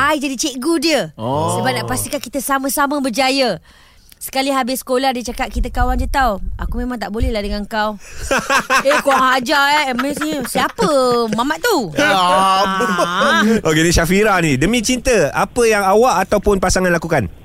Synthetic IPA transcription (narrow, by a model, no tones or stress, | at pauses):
ajd͡ʒadit͡ʃeʔɡudiəsəbap̚naʔpast̪ikankit̪əsamə̃samə̃bərd͡ʒajə | sə̥kaliɦabɪsə̥kolahdiət͡ʃakat̪ʔ̪̚kit̪əkawandiət̪awʔa̰kumẽmãŋt̪̬aʔbolɛhlahdəŋaŋkaw | ekoŋɦad͡ʒaɛmesɲəsiapəmamaʔt̪ua | ʔokenĩʃafiɾahnĩdəmĩt͡ʃint̪əapəjaŋawaʔat̪awpʊnpasaŋanlakukan